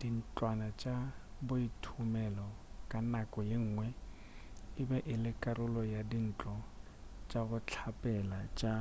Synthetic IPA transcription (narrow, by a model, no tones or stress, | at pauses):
d̥in̩t͡ɬʼwanat͡ʃʼabʊitʰumɛlɔkʼanakʼɔjɪŋ̩ːŋwɛ | ɪbɛʔɪlɪkʼaɾʊlɔjadin̩ːt͡ɬʼɔ | t͡ʃʼabʊt͡ɬʰapʼɛlat͡ʃʼa